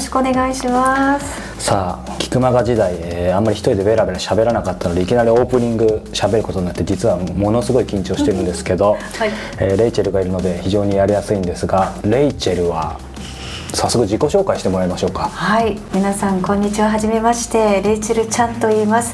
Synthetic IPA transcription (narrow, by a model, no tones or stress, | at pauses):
ɕi̥kɯone̞ɡaiɕimas | saː | kʲi̥kɯ̟maɡad͡ʑid̪aieːãmːaɾʲiçi̥t̪oid̪e̞βe̞ɾabeɾɕabe̞ɾanakat̪ːano̞d̪eikʲinaɾʲio̞ːpɯ̟ɲ̟ĩŋɡɯ̟ɕabe̞ɾɯ̟ko̞t̪o̞ɲ̟inat̪ːed͡ʑit͡sɨβamo̞no̞sɨɡo̞ikʲĩɲ̟t͡ɕo̞ːɕi̥t̪e̞ɾɯ̟̃nd̪e̞sɨ̥ke̞d̪o̞ | eːɾe̞it͡ɕe̞ɾɯ̟ɡaiɾɯ̟no̞d̪e̞çiʑo̞ːɲ̟ijaɾʲijasɨĩnd̪e̞sɨɡaɾe̞it͡ɕe̞ɾɯ̟βa̰ | sasːokɯ̟d͡ʑiko̞ɕo̞ːkaiɕi̥t̪e̞mo̞ɾaimaɕo̞ːkḁhaimʲinasãŋkõ̞ɲ̟ːit͡ɕiβaɦaʑime̞maɕi̥t̪e̞ɾe̞it͡ɕeɾɯ̟t͡ɕãnt̪o̞iːmasɨ̥